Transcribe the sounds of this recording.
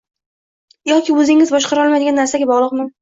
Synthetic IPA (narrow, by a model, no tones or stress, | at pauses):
jɒkʲɪɵzɪŋʲɪzbɒʃqʰɑɾɒlˠmajd̪ɪɡʲanːaɾsaɡʲabɒʁlˠɨqmɪ